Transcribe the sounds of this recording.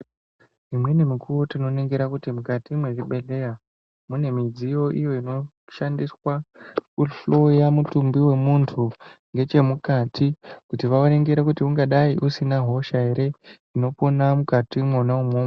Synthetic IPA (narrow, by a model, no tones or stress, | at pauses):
imwe̞nemikʰuwotino̞ne̞ŋɡeɾakutimukatimwe̞ʐiɓe̞le̞ja | mune̞mid͡zijo̞ʔijo̞ino̞ | ʃandiswakuɬo̞jamutumbiwe̞muntʰuŋɡe̞t͡ʃe̞mukatʰikutiʋaone̞ŋɡeɾakutiuŋɡaɗaiʔusinaɦo̞ʃaɦe̞ɾe̞ | ino̞ponamukatimwonaumoːma